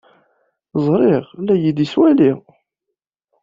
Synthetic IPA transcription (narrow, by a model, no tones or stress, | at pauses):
zˤɾˤeʁlæjid̪iswæliʁ